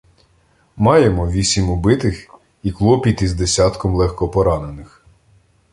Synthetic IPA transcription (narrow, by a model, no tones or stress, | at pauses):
mɑjemɔʋʲisʲimʊbɪt̪ɪx | iklˠɔpʲit̪izd̪esʲɑt̪kɔmlˠɛxkɔpɔɾɑnenɪx